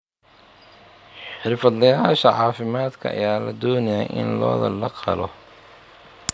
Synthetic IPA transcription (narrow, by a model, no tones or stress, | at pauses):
ħɪrfɐd̪lɐjaːʃɐʕɑːfɪmaːd̪kʰɐɐ̰jaːlɐd̪ɔːnɐjajʔɪ̰nlɔ̰ːðɐ̰lɐqɑ̰lɔ